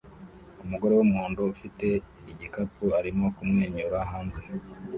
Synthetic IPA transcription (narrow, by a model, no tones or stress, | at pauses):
umuɡo̞ɾe̞wumuːndoufite̞ | iɟikapuaɾimo̞kumŋe̞ːɲɲuɾaɦaːnze̞